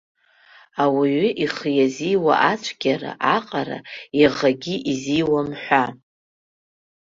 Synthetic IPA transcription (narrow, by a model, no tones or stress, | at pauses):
awiɥiʔiχjaziwa̰ʔat͡ʃʷʰʼɡʲaɾa̰ʔaqʼaɾa̰iʁaɡʲiʔizijwamħʷa